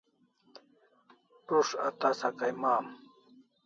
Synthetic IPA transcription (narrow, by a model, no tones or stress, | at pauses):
ʈʊʂa̰t̪asakajmaːm